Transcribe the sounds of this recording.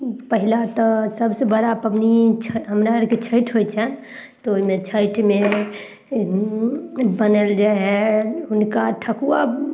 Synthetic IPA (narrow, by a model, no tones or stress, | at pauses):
pəɦilat̪ɔsəbsebəɾapəpnit͡ʃʰɦəmɾaɾket͡ʃʰəjʈʰɦojt͡ʃʰɛn | t̪ɔoɦimet͡ʃʰəjʈme | bənəld͡ʒaɦɛɦunkaʈʰəkuwa